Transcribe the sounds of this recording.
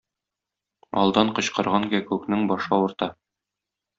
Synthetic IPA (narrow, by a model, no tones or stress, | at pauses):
ɒ̰lˠd̪ɑɴqɤ̆ɕqɑ̆ɾʁɑŋɡækʉknɘŋbɒʃɑŭɾt̪ɑ